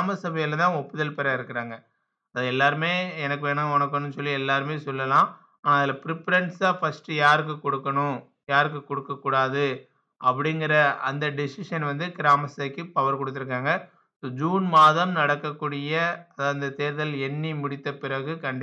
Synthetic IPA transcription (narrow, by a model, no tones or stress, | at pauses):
aːmɐsɐbɐjɪlɐt̪ãːɔpːɯðɐlpɛɾɐɪɾɯkːɪɾaːŋɡɐ | ɐðɐɛlːaːɾɯmeːɛnɐkːɯʋeːɳãːɔnɐkːɐnɯnsɔlːiɛlːaːɾɯmeːsɔlːɐlãː | aːnaːɐðɪlɐpɪɾɪpːɐɾɐɳʈsaːfɐsʈɯjaːɾɯkːɯkɔɽɯkːɐɳʊ̃ | jaːɾɯkːɯkːɔɽɯkːɐkːuːɽaːðɯ | ɐpːɐɽɪŋɡɪɾɐɐnd̪ɐɖɪsɪʂɐnʋɐnd̪ɯkɪɾaːmɐsɐkːɯpɐʋɐɾkɔɽɯt̪ːɪɾɯk̬ːaːŋɡɐ | soːd͡ʒuːnmaːðɐmnɐɽɐkːɐkːuːɽɪjɐɐðaɐnd̪ɐt̪eːɾðɐlɛɳːimʊɽɪt̪ːɐpɪɾɐɣɯkɐɳɖɪ